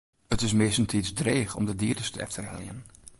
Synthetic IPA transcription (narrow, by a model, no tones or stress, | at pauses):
ətɪsmɪsən̩tʰisdreːxɔ̰mdədiədəstəɛ̰ftʰərhɛ̰ljə̰n